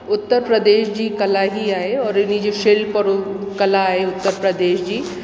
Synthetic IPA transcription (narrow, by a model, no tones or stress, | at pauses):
ʊt̪ːəɾpɾəd̪eːʃd͡ʑiːkɐlaɦiaːeɔːɾɪnid͡ʒoʃelpɐɾʊkɐlaːɦeʊt̪ːəɾpɾəd̪eːʃd͡ʑiː